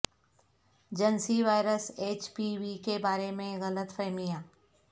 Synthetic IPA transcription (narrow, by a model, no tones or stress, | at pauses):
d͡ʒɐnsiʋaːɪɾəseːt͡ʃpiʋikebaːɾemẽɣɐlət̪fʰɛɦmijãː